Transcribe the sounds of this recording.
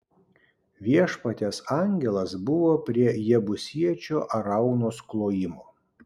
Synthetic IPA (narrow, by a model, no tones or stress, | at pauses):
ʋʲiɛʃpɐt̪ʲɛsɑŋʲɡʲɛlˠɐsbʊʋoːpʲɾʲiɛjɛbʊsʲiɛt͡ʃʲoːʔɐɾɐʊnoːsklˠoːjɪmoː